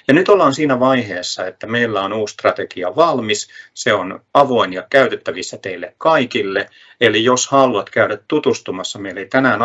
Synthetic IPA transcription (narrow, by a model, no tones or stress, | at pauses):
jɑnyt̪olːˑɑːnsiːnæʋɑiheːsːɑet̪ːæmeilːæonuːsst̪rɑt̪ekiɑʋɑlmisseonɑʋoinjɑkæyt̪et̪ːæʋisːɑt̪eilːekkɑikilːe | elijoshɑlɑt̪kæyɾæt̪t̪ut̪ust̪umɑsːɑmeilːeit̪ænæːn